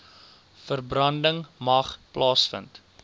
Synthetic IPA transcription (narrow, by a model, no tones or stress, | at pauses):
fərbrɐndəŋmɐχplɑːsfə̰nt